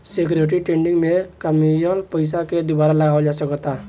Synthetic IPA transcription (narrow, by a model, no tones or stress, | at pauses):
sekɾeʈɾiʈẽɳɖiŋɡmekəmijəlpəɪs̬aked̪ubaɾaləɡaod͡ʒasəkɔt̪a